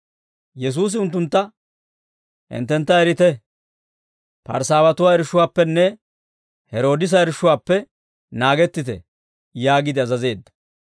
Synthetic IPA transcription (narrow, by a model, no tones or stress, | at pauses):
jɛs̬uːs̬ɪʊnt̪ːʊnt̪ːɐ | ʔɪ̰nt̪ːɛnt̪ːɐɛɾɪt̪ɛ | pɐ̰ɾsaːwɐt̪ʊwaːɛɾɪʃʊwaːpːɛnːɛ | hɛɾo̞ːd̪ɪs̬ɐɛɾɪʃːʊwaːpːɛ | naːɡɛt̪ːɪt̪ɛ̰ | jaːɡɪd̪ɪɐzɐze̞ːd̪ːɐ̥